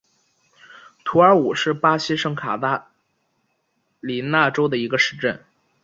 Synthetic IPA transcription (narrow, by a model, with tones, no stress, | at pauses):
t̪ʰu˧˥ə˞˧˥u˨˩ʂɻ̩˥˩pa˥ɕi˥ʂɤ˥ŋkʰa̰˨˩t̪a˥˩ | li˨˩na˥˩ʈ͡ʂo˥ʊd̪ə˨i˧˥ɡə˧ʂɻ̩˥˧ʈ͡ʂə˥˩n